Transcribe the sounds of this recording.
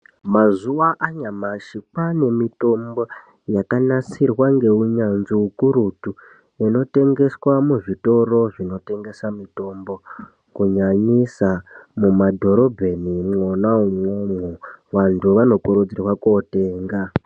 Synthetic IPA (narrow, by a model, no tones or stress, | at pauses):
mazuʋaʔaɲamaʃikwane̞mito̞mbo | jakanasirwaŋɡe̞uɲanziukuɾutu | ino̞te̞ŋɡe̞swamuʐito̞ro̞ʐino̞te̞ŋɡe̞samito̞mbo̞ | kuɲaɲisamumadʱo̞ɾo̞bʱenimŋonaumwomuʋantʰuʋano̞kuɾud͡zirwakote̞ːŋɡa